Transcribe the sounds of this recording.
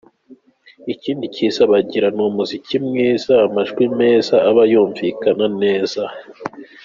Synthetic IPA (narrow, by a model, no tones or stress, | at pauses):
iciːndiciz̥aβaɟiɾanumuzicimŋiːz̥aːmaʒuwime̞ːzaːβajuːɱvikanane̞ːz̥a